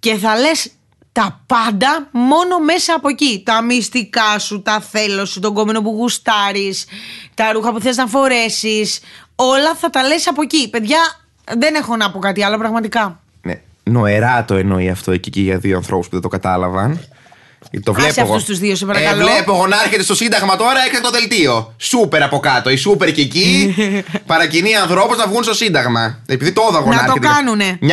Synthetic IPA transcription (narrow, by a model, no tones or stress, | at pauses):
ce̞θɐle̞s | t̪ɐpɐnd̪ɐmo̞no̞me̞sɐːpo̞cit̪ɐmist̪ikɐsut̪ɐθe̞lo̞sut̪o̞ɡo̞mino̞puɣust̪ɐɾist̪ɐɾuxɐpuθeliznɐfo̞ɾe̞sis | o̞lɐθɐt̪ɐle̞sɐpo̞cipe̞ðʝɐ | ðe̞ne̞xo̞nɐpokɐt̪iɐlo̞pɾɐɣmɐt̪ikɐ | nḛ | no̞eɾɐt̪o̞eno̞iɐft̪oeciciʝɐðioɐnθɾo̞puspuðet̪okɐt̪ɐlɐvɐn | t̪ovvlepseɐfust̪uzðiosepɐɾɐɐlovlepoɣonɐɾçet̪e̞st̪osind̪ɐɣmɐt̪o̞ɾɐe̞ksɐnet̪oðe̞lt̪io̞supe̞ɾɐpo̞kɐt̪o̞isupe̞ɾceci | pɐɾɐciniɐnθɾo̞puznɐvɣunst̪o̞sind̪ɐɣmɐepiðit̪ooðoɐɣonɐɐɾt̪ot̪kɐnuneɲ